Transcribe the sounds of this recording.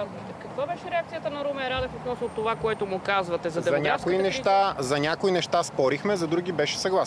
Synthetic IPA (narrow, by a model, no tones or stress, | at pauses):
zt̪ɛkɐkvabɛʃɛɾɛak̚t̪sijət̪ənɐɾumɛɾad̪ɛfot̪nɔsnot̪ovakoɛt̪ʊmʊkazvɐt̪ɛzɐɐɐnʲakoinɛʃt̪azɐnʲakoinɛʃt̪aspɔɾixmɛzɐd̪ɾuɡ̟ʲibɛʃɛ̥sɐɡlˠas